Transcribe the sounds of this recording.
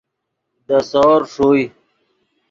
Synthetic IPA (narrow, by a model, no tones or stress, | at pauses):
d̪əsɔːɾʂoːi